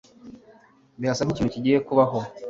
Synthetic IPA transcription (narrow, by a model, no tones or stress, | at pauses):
βiasaniciːnuciɟijekuβaɦo